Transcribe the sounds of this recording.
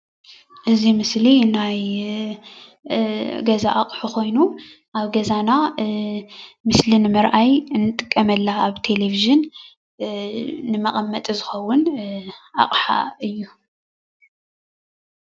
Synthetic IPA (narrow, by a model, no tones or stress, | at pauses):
ʔɨzimɨslinaj | ɡɐzaʔakʼħukʰo̞jnu | ʔaβɡɐzana | mɨslinɨmɨɾʔajɨnːɨt̪ʼɨkʼːɐmɐlːaaβt̪ʰe̞le̞viʒɨn | ɨmɐχʼɐmːɐt̪ʼizɨxɐwːʊnʔa̰χʼħa̰ɨjːu